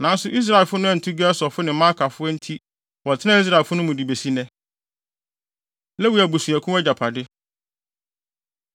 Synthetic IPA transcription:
nã˨˦n˦sʊ˨ʔi˦s̬ɾa˨e˨lfʊ˦nʊ̃˦æ˨n̩˨tʰu˦ɡɛ˦sɔ˨fʊ˦nɪ̃˨˦mã˦kʰa˨fʊ˦ɛ˦n̩˦tʰi˦ | wɔ˨tʰɪ˦nã˦i˦s̬ɾa˦˨e˨fʊ˦nʊ̃˦mʊ̃˨di˨be˨si˦nɛ̃˦ | lɛ˦wi˨˦æ˨bu˨su˨æ˨kʰũ˦ɛ˦d͡ʑa˨pʰa˨dɪ˦

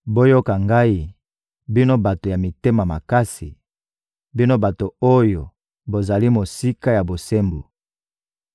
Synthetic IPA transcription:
bo˦jo˦ka˨ŋɡa˦i˦ | bi˦no˦ba˨to˨ja˨mi˨te˦ma˨ma˨ka˦si˨ | bi˦no˦ba˨to˨o˦jo˨ | bo˨za˨li˦mo˨si˦ka˦ja˨bo˨se˦mbu˨

